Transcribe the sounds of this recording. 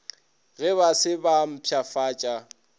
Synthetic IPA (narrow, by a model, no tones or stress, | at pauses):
ɣɛβasɪbam̩pʰjafaːt͡ʃʼa